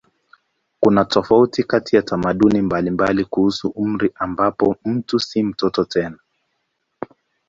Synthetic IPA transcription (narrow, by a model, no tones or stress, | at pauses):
kunatɔfautikatijatamaɗunimbalimbalikuhusuʔum̩ɾiʔambapɔm̩tusim̩tɔtɔtɛna